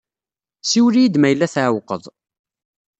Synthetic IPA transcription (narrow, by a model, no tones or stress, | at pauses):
siwlijid̪mæjəlːæθʕawqə̰ðˤ